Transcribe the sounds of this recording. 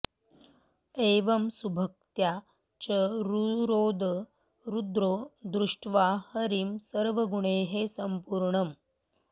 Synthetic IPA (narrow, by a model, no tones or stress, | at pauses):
eʋəmsubʱək̚t̪ja | t͡ɕəɾuɾoːd̪ | ɾud̪ɾoːd̪ɾuʂʈʰʋahəɾimsəɾʋəɡuɳeɦesəmpuɾɳəm